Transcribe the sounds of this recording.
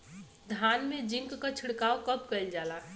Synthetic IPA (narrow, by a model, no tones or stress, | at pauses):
d̪ʱaːnmẽd͡ʒɪ̃ŋkːkat͡ʃʰɪɽkaːokɐpkɐɪld͡ʒaːlaː